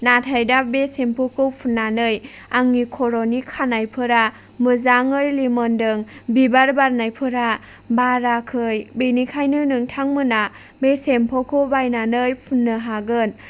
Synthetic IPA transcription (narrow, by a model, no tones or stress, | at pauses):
natʰajdabesempʰokʰɯwpʰunːanɯj | aŋːikʰɔɾonikʰanajpʰɯɾa | mɯzaŋɯjlimɔndɯŋbibaɾbaɾnajpʰɯɾa | baɾakʰɯjbenikʰajnɯnɯŋtʰaŋmɯna | besempʰɔkʰɯwbajnanɯjpʰunːɯɦaɡɯn